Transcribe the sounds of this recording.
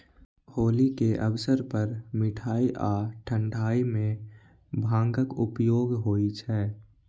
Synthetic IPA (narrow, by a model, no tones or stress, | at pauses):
hoːlikeʔəbəsəɾpəɾmɪʈʰaːiʔaːʈʰə̃ɳɖʱaːimẽ | bʱãːŋɡəkʊpjoːɡɦoːit͡ʃʰɛː